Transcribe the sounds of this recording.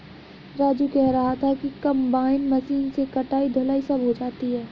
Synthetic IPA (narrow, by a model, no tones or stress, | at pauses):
ɾaːd͡ʒukɛɦɾɐɦat̪ʰakikɐ̃mbaːɪnmɐsiːnsekɐʈaːid̪ʱoːlaːisɐbʱɦod͡ʒaːt̪iɦɛː